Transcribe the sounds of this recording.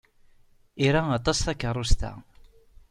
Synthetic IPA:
iɾaɑt̪ˤɑsθækːərˤːust̪æ̰

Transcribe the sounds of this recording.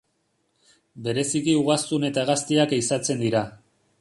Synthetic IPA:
be̞ɾe̞sikiuɣast̪une̞t̪aɣast̪iakisat͡se̞nd̪iɾa

